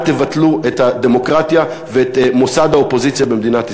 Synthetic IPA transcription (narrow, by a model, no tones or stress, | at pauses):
t̪evat̪luʔethad̪emo̞kʁat̪ja | veet̪mo̞sad̪haopo̞zit͡sjabemd̪inat̪i